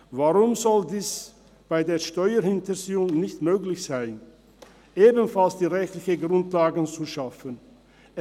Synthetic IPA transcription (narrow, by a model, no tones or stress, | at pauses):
vaʁʊmzɔldiːs | b̥aɪdeːɐʃtɔʏɐhɪntəziːʊŋnɪçtmøːklɪçz̥aɪn | ʔeːbənfalsd̥iːʁɛçtlɪçəɡʁʊntlaːɡən̩t͡suʃafən | ɛ